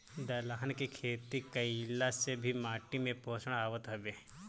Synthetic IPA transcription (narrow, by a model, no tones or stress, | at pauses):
d̪ɐlaɦənkekʰeːt̪ikəilasebʱimaːʈimẽpoːsəɽ̃aːʋət̪ɦɐbeː